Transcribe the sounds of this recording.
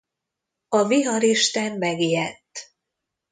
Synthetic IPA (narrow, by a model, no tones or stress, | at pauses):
ɒviɦɒɾiʃt̪ɛnmɛɡiɛt̪ː